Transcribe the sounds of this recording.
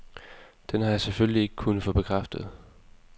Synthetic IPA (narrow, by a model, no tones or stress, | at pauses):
d̥enhɑ̈jɑseføllie̝ɡ̥ə̥kʰunð̩ˠfɔ̽b̥e̝kʰʁafd̥əð̩ˠ